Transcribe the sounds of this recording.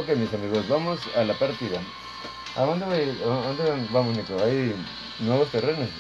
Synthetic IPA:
okemisamiɣosβamosalapaɾt̪iða | a̰ond̪eβajond̪eβanβamosnikoaj | nweβost̪erenes

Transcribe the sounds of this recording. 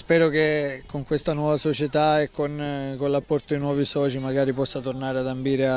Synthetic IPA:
spɛːɾokekːoŋkwest̪anwɔːvasot͡ʃet̪aekːonkonlapːɔrt̪oinwɔːvisɔːt͡ʃimaɡaːɾipɔsːat̪ornaːɾead̪ambiːɾea

